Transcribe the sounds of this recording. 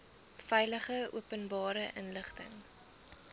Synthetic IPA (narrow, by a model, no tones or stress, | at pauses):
fɛjləχəṵəpənbɑːɾəʔənləχtə̰ŋ